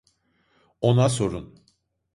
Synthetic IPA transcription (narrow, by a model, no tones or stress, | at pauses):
o̞naso̞ɾun